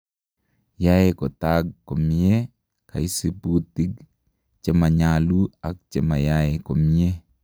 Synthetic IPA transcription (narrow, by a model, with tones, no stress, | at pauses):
jajekɔ˨taɡ̚ko˨mi˦e˦ | kʰa̰˨i˦si˦puti˦ɡ | t͡ʃe˦ma˨ɲalu˦a˨k̚t͡ʃema˨jaeko˨mi˦e˦